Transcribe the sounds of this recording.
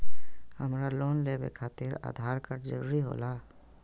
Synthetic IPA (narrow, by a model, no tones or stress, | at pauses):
həmɾaloːnleːbḛkʰaːt̪ɪɾa̰ːd̪ʱaːɾkəɾd͡ʒəɾuɾiɦo̰ːlaː